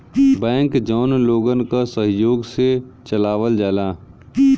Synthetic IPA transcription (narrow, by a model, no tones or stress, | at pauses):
bɛ̃ːŋkd͡ʒɔːnloːɡənkasəɦjoːɡset͡ʃəlaːʋəld͡ʒaːlaː